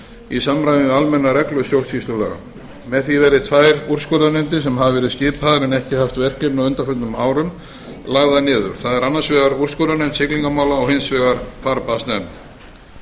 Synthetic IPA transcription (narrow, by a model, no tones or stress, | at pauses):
isamɾajvɪmɛalmɛnːaɾɛklʏsjowlsist̪lʏlɛ̰ːɣa̰ | mɛðθivɛɾðɪt̪ʰvaːjɾur̥skɔɾanʏnt̪ɪsɛmɦavvɛɾɪðscɪːpaðɾɛnɛhcɪhaft̪vɛr̥cɛɾnaʏnt̪afʏt̪nʏmaːwɾʏm | laɣðanɪːðʏ̰ɾ̥θaðɛɾanːasvɛːɣaɾur̥skɔɾanɛnt̪sɪkliŋkamaːwlaɔɣhɪnsvɛɣaɾ̥faɾpast̪nɛnt̪